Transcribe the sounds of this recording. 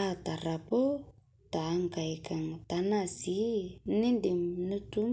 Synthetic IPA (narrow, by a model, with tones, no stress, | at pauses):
at̪a˨ɾapo˦ | t̪a˨ŋka˨jkaŋt̪anasini˦ndi˨mnu˦tu˦m